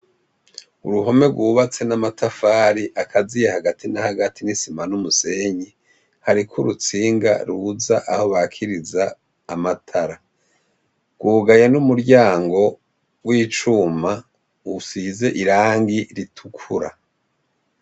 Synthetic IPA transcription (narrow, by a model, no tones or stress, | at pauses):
uɾuɦo̞me̞ɡwuːβat͡se̞namatʰafaːɾiʔakʰazijehaɡatʰinahaɡatʰinisimanumuse̞ɲi | haɾikʰuɾut͡siːŋɡa̰ɾuzaʔaho̞βakʰiɾizaː | matʰaɾa | ɡ̥wuːɡajenumuɾɟaːŋɡo̞ | wiːt͡ʃuma | usize̞ʔiɾaːŋɡiɾitʰukʰuɾa